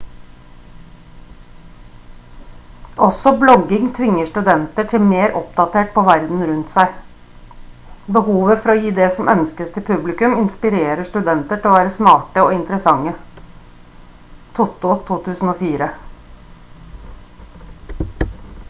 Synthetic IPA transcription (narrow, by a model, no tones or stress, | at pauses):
ʔɔsɔblɔɡɪŋt̪ʰʋɪŋːəʂʈʉd̪ɛnt̪əʈʰɪlmeːɾʔɔpd̪ɑt̪ʰeːʈ̚pʰoːʋæɾd̪n̩ɾʉnt̪sæɪ | bəhuːʋəfɔɾɔːjiːd̪ɛsɔmʔœnskəst̪ʰɪpʰʉblɪkʉmɪnspɪɾeːɾəʂʈ̪ʉd̪ɛnt̪əʈʰɪlɔːʋæːɾəsmɑːʈəoːɪnt̪əɾəsɑŋːə | t̪ʰʊt̪ʊt̪ʰuːt̪ʰʉːsn̩oːfiːɾə